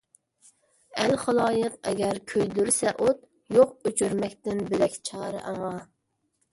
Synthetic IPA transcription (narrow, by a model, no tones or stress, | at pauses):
ælχɑlˠɑːjəqɛ̰ɡʲæɾkʲʰøjd̪yɾsɛʔot̪ | joqøt͡ʃʰyɾmɛkʲt̪ɪnbɪlɛkʲt͡ʃʰɑːɾɨ̰ʔɑŋɑ